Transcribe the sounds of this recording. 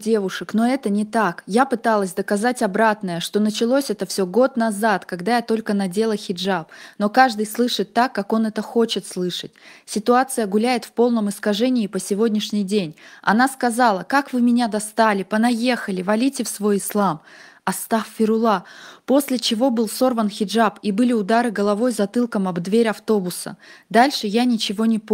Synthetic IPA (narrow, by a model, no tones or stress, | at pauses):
dʲe̞vʊʂɨkno̞ɛt̪ənʲɪt̪akjapɨt̪alˠəsʲd̪əkɐzatʲɐbɾat̪nəjəʂt̪o̞nət͡ɕɪlˠosʲɛt̪əfsʲoɡo̞t̪nɐzat̪kɐɡd̪ajat̪o̞lʲkənɐdʲe̞lˠəxʲɪʐapno̞kaʐd̪ɨjslˠɨʂɨt̪ːakːako̞nɛt̪əxo̞t͡ɕɪt̪slˠɨʂət̚ʲsʲɪt̪ʊat̪sɨjəɡʊlʲæjɪt̪fpo̞lˠnəmɨskɐʐɛnʲɪːpəsʲɪvo̞dʲnʲɪʂnʲɪjdʲenʲɐ̰naskɐzalˠəkakvɨmʲɪnʲad̪ɐst̪alʲɪpənɐje̞xəlʲɪvɐlʲitʲɪfsvo̞jɪslˠamɐst̪affʲɪɾʊlˠapo̞sʲlʲɪt͡ɕɪvo̞bɨlˠso̞rvənxʲɪʐapibɨlʲɪʊd̪aɾɨɡəlˠɐvo̞jzɐt̪ɨlˠkəmɐbd̪vʲeɾʲɐft̪o̞bʊsə̰d̪alʲʂɨjanʲɪt͡ɕɪvo̞nʲɪp